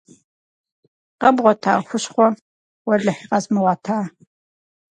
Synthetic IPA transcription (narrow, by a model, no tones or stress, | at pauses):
qɐbʁʷɔtʰa̰ːxʷʊɕχʷɔ | wɐɮɐħiːqɐzmɨwɑːtʰaː